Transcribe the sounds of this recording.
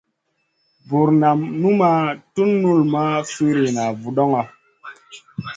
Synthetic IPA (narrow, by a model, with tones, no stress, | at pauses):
bu˨ɾna˨mnu˦ma˦tu˦nːu˦lma˦fi˦ɾi˨na˨vu˨ɗɔ˦ŋa˨